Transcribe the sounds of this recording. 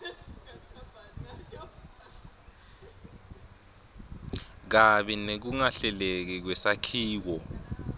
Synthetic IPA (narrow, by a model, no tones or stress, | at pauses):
k̬aɓɛnek̬uŋaɬɛlek̬ik̬wɛsakʰiːk̬ɔ